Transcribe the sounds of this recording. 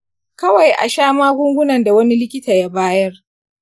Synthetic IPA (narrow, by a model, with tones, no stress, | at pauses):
kɐ˦wa˨jʔa̰˨ʃaː˦maː˦ɡʷʊ˦ŋɡʷʊ˦nɐ˨nda˨wɐ˦ni˦lɪ˦kʲɪ˦taː˨ja˦baː˦jɐ˦r